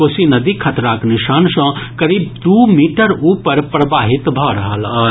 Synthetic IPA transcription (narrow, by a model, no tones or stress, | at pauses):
oːsinɐd̪iːkʰɐt̪ɾaːknɪʃaːnsãːkɐɾiːbd̪uːmiːʈəɾuːpəɾpɾɐbaːɦɪt̪bʱaːɾɦalaː